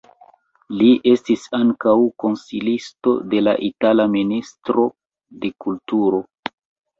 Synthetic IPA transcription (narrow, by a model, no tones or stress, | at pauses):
liʔe̞stisaŋkawko̞nsilisto̞̰de̞la̰ʔitalaministɾo̞ | de̞kultuɾo̞